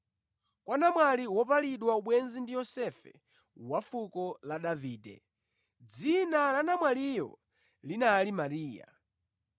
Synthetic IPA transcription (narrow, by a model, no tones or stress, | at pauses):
kwanamwaliwɔpaliɗwauɓwɛnzindijɔsɛfɛ̰ | wafukɔlaɗaviːdɛ̰ | d͡zinalanamwalijɔ̰ | linalimaɾiːja̰